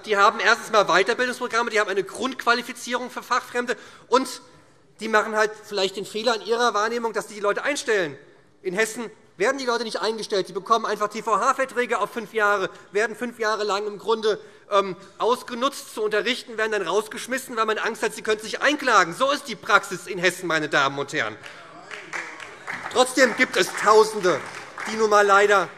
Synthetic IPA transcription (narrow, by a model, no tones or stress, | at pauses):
d̥iːhaːbm̩ʔeːɐstn̩smaːlvaɪtɐbɪldʊŋspʁ̥oɡʁamədiːhabmʔaɪnəɡʁʊntkʰv̥alifit͡siːʁ̞ʊŋfyːɐfaχfʁ̥ɛmdəʔʊnt | d̥iːmaχn̩haltfɪlaɪçt̚d̥eːnfeːlɐɪnʔiːʁɐvaːɐneːmʊŋd̥asz̥iːdiːlɔʏtəʔaɪnʃtɛlən | ʔɪnɦɛsn̩ | veːɐdn̩diːlɔʏtənɪçtʔaɪnɡəʃtɛlt̚d̥iːbəkʰɔmənʔaɪnfaχtʰeːfaʊɦaːfɛɐtʁ̥eːɡɐaʊfʏnfjaːʁəveːɐdn̩fʏnfjaːʁ̞əlaŋɪmɡʁʊndə | ʔɛːm | ʔaʊsɡ̥ənʊt͡stt͡suʊntɐʁɪçtn̩veːɐdn̩danʁaʊsɡ̥əʃmɪsn̩vaɛlmanʔaŋsthatz̥iːkʰœntnzɪçʔa̰ɪnkl̥aːɡŋ̩zoːɪst̚d̥iːpʁ̥aksɪsɪnɦɛsn̩maɪnədaːmənʊnthɛ̰ɐn̩ | tʁ̥ɔt͡sd̥eːmɡiːp̚tɛstʰaʊzn̩dəd̥iːnuːnmaːlːaɪɾɐ